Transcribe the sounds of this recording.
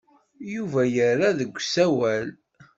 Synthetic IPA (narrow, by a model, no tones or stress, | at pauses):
juvæjərːaðəɡʷːsæwæl